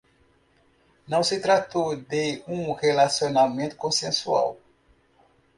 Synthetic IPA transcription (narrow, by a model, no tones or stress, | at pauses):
nɐ̃w̃sɪt̪ɾat̪od̪eũhelasionamẽnt̪u̥kõsẽsua̰w